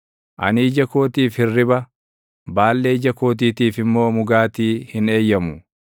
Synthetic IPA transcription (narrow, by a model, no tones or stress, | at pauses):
ʔɐ̰niːd͡ʒɐko̞ːt̪iːfhɪrːɪbɐ | baːlːe̞ːd͡ʒɐko̞ːt̪̬iːt̪iːfɪmːo̞ːmʊɡaːt̪iːhɪne̞ːjːɐmʊ